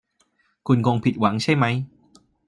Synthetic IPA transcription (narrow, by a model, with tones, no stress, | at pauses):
kʰu˧nko˧ŋpʰi˨˩t̪̚wa˩˦ŋt͡ɕʰa˥˩jma˦˥j